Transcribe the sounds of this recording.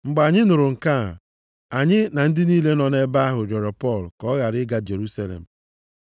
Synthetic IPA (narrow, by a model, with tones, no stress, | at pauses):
ŋ͡m̩˨ɡ͡ba˨ɲɪ˦nʊ˨ɾʊ˨ŋ̩˨ka˦˨ | a˨ɲɪ˦na˨n̩˦dɪ˦niː˦le˦nɔ˨ne˦ba˦a˦ɦʊ˨ɾɔ˨ɾɔ˨pɔ˦˨lkɔ˦ɣa˨ɾɪ˦ɡa˨d͡ʒe˨ɾu˦sa˦lḛ˨m̩˨